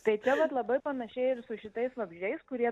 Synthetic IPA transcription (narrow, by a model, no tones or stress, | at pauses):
t̪ɐɪt͡ʃʲɛʋɐt̪lˠɐbɐɪpɐnɐʃʲɛɪɪɾsʊʃʲɪt̪ɐɪsʋɐbʲʒʲɛɪskʊɾʲiɛ